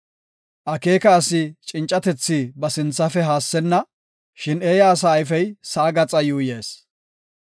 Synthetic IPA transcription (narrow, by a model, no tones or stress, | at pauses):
ʔɐke̞ːkɐːsɪt͡ʃʼɪnt͡ʃʼːɐt̪ɛt͡sːiːbɐsɪnt͡sːɐfɛɦaːsːɛnːɐ | ʃɪneːjaːs̬aːjfɛjsɐːɡɐt͡sʼɐjuːje̞ːs